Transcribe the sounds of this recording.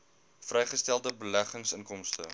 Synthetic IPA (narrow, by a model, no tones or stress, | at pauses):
frɛjχəstælˠdəbəlæχəŋsənkɔmstə̰